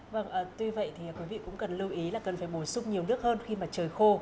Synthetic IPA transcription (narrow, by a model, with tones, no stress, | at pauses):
və˧˩ŋʔəː˨˩t̪wi˧və̰˧˨jt̪ʰi˨˩ŋaː˨˩kwi˨˦vḭ˧˨kʊ̰˧˥ŋ͡mkə˨˩nlɨ˧wʔi˨˦laː˨˩kə˨˩nfaː˧˩jɓo˨˧˩jsʊ˧ŋ͡mɲi˨˩əwnɨ˦˥ək̚həː˧nxi˧maː˨˩t͡ɕəː˨˩jxo˧